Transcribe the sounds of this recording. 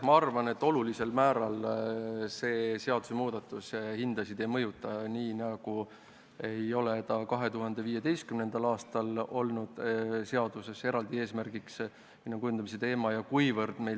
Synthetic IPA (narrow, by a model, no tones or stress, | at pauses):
mɑɑrvɑne̞t̪ːˑo̞lulise̞lmæːɾɑl | se̞ːse̞ɑd̪̥u̥se̞muːd̪̥ɑt̪ːˑushind̪̥ɑsid̪̥e̞jmɤjut̪ːˑɑniːnɑɡ̥u | e̞jo̞let̪ɑkɑɦe̞t̪uɦɑnd̪e̞viːe̞d̪e̞jst̪̚kymne̞nd̪̥ɑlɑːst̪ɑlo̞lnud̪̥seɑd̪̥use̞se̞ɾɑld̪ie̞ːsmærɡ̥iks | minːokujund̪̥ɑmis̬e̞t̪e̞ːmɑjɑkujvɤrd̪̥me̞j